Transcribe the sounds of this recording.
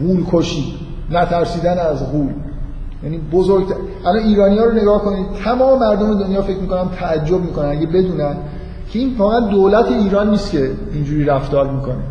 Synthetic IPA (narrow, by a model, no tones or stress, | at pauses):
ɣuːlkʰoʃiː | næt̪ʰæɾsiːd̪ænæzɣuːl | jæniːbozoɾɡt̪ʰæ | ʔælɒniːɾɒːnijɒːɾone̞ɡɒːhko̞niːd̪̥̚t̪ʰæmɒːme̞mæɾd̪ome̞d̪onjɒːfe̞cʰmiːko̞næmt̪ʰæːd͡ʒːob̚miːkonænæɟebe̞d̪uːnæn | cʰeiːnvɒːɣæænd̪olæt̪ʰe̞iːɾɒːnːiːst̪cʰe̞ | ind͡ʒuːɾiːɾæft̪ɒːɾmiːkʰo̞ne